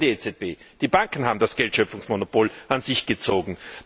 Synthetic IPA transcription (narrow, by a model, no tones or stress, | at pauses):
diet͡sɛt̚b̥eːd̥iːbaŋkn̩ɦaːbm̩dasɡ̥ɛltʃœpfʊŋsmonopoːlʔanzɪçɡ̥ət͡soːɡŋ̩